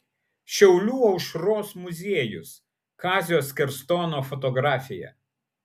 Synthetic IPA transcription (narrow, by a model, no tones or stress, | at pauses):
ʃʲɛʊlʲuːɒʊʃɾoːsmʊzʲeɛjʊs | kɑːzʲɪjoːskʲɛɾst̪oːnoːfɔt̪ɔɡɾɑːfʲɪjɛ̰